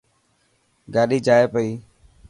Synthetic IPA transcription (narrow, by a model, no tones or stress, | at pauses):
ɡaːɗiːd͡ʒaːeːpəiː